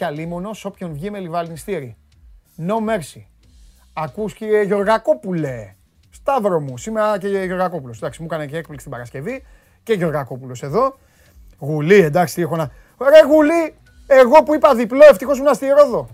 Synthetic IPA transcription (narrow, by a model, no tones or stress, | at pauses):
calimono̞so̞pçonvʝime̞livɐlnist̪iɾi | no̞me̞ɾsi | ɐkusceʝo̞ɾɣako̞pule | st̪ɐvɾo̞musimeɾɐceʝo̞ɾɣɐko̞pulosend̪ɐksimukɐneceek̚plikst̪ibɐɾɐskce̞vi | ceʝo̞ɾɣako̞pulo̞se̞ðo̞ | ɣulie̞nd̪ɐksi̥t̪iexo̞nɐ | oɾeɣuli | e̞ɣo̞puipɐðiplo̞e̞ft̪ixo̞smunɐst̪iɾo̞ðo̞